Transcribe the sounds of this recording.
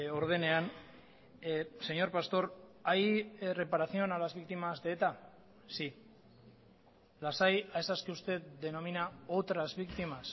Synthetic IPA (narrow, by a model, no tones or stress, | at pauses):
o̞ɾð̞e̞ne̞an | se̞ɲo̞ɾpast̪o̞ɾajre̞paɾaθio̞nalazβikt̪imazd̪t̪a | si | lasajaesaskiust̪e̞t̪d̪e̞no̞minaot̪ɾazβikt̪imas